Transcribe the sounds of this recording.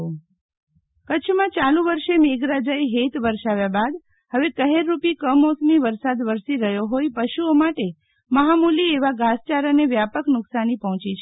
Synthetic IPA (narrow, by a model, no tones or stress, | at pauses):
kət͡ʃʰmãt͡ʃalũʋəɾʃemeɡɾad͡ʒaeɦet̪ʋəɾʃaʋjabad̪ | həʋekəɦeɾːupikəmosmiʋəɾsad̪ʋəɾsiɾəɦjoɦojpəʃuomaʈe | məɦamulieʋaɡast͡ʃaɾəneʋjapəknʊksanipəɦɔ̃t͡ʃit͡ʃʰ